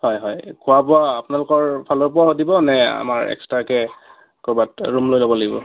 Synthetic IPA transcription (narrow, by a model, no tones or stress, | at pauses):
hɔjɦɔjkʰʊwapʊaːpʊnalʊkɔɹpʰalopʊaɦodibɔnɛa̰maɹɛ̰kstɹakɛ | kobatɹumlojlobɔlaɡibɔ̰